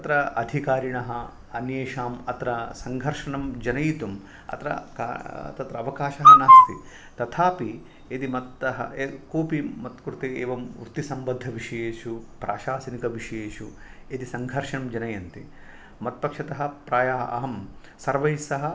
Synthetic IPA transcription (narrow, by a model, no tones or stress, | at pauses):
ɐt̪ɾɐɐd̪ʱikaːɾiɳɐɦɐ | ɐnjeːʃaːmɐt̪ɾɐsɐŋɡʱɐɾʂɐɳɐmd͡ʒɐnɐjit̪um | ɐ̰t̪ɾɐ̰ka̰t̪ɐt̪ɾɐːʋɐkaːʃɐɦɐnaːst̪ḭ | t̪ɐt̪ʰaːpi | et̪imɐt̪ːɐɦɐkoːpimɐt̪kuɾt̪eeːʋɐmṵɾt̪isɐmbɐd̪ʱːɐʋiʂɐjeːʃupɾaːʃaːsɐnikɐʋiʂɐjeːʃuet̪isɐŋɡʱɐɾʂɐɳɐmd͡ʒɐnɐjɐnt̪i | mɐt̪̚pɐkʂɐt̪ɐɦɐ̆pɾaːjaːɦɐɐ̰ɦɐm | sɐɾʋɐjsɐɦɐ